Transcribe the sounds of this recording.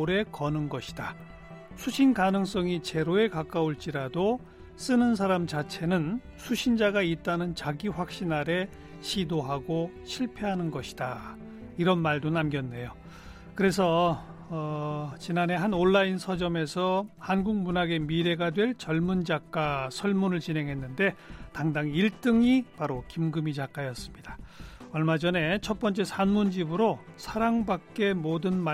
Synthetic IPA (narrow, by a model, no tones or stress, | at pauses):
oɾe̞kʌnɯnɡʌɕʰi̥d̥a | sʰuɕʰinkanɯŋs͈ʌŋit͡ɕe̞ɾoe̞kak͈aoɭt͡ɕ͈iɾado | s͈ɯnɯns̬ʰaɾamt͡ɕat͡ɕʰe̞nɯn | sʰuɕʰind͡ʑaɡait̚t͈anɯnt͡ɕaɡiɸwak̚ɕ͈inaɾe̞ | ɕʰidoɦaɡo | ɕʰiɭpʰeɦanɯnɡʌɕʰi̥da | iɾʌnmaɭdonamɡjʌnːe̞jo | kɯɾe̞s̬ʰʌː | t͡ɕinane̞ɦanoɭːainsʰʌd͡ʑʌme̞sʰʌhanɡuŋk̚munaɡe̞miɾe̞ɡadwe̞ɭt͡ɕʌɭmund͡ʑak͈asʰʌɭmunɯɭt͡ɕinɦe̞ŋɦe̞nːɯnde̞taŋdaŋiɭt͈ɯŋipaɾokimɡɯmid͡ʑak͈ajʌs͈ɯmɲidaʌɭmad͡ʑʌne̞t͡ɕʰʌt̚p͈ʌnt͡ɕ͈e̞sʰanmund͡ʑibɯɾo | sʰaɾaŋbak̚k͈e̞modɯnm